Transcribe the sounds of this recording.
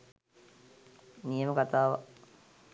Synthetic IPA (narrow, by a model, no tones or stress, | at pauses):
nijəməkat̪aːʋa̰